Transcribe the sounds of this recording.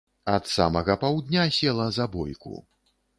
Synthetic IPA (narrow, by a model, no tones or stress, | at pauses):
ɐt̪sa̰mɐɣɐpawd̪ʲnʲasʲɛlˠɐzabɔ̰jkṵ